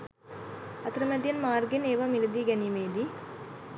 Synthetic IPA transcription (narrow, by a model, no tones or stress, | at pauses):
ɐt̪rɐmɐd̪jɐnmaːrɡeneːʋɐmilɐd̪iɡɐnimeːd̪i